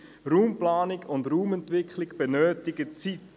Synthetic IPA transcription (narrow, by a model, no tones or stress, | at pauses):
ruːmplaːnɪɡʊndruːmɛntʋɪkχlɪɡb̥ɛnøːtɪɡət͡sit